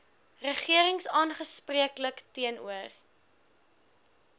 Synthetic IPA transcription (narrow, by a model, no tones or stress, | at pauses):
rəχiəɾəŋsɑːnχəspriəkləktiənṵər